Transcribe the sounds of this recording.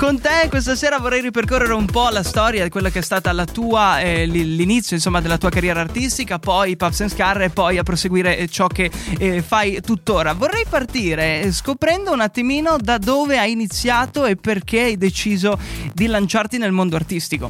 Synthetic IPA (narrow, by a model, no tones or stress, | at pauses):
kont̪ekwest̪aseːɾavorːɛjɾiperkorːeɾeumpɔlast̪ɔɾjad̪ikwelːakeɛst̪aːt̪alat̪uːaɛllinit̪sːjoinsomːad̪elːat̪uːakarjɛːɾaːrt̪ist̪ikapɔjpafsenskarːepːɔjapːɾoseɡwiːɾet͡ʃɔk̟ːefajt̪ut̪ːoːɾavorːɛjpart̪iːɾeskopɾɛnd̪ounat̪ːimiːnod̪ad̪oːveajinit̪sːjaːt̪oepːerk̟eajd̪et͡ʃiːzod̪ilant͡ʃart̪inelmond̪oart̪ist̪iko̰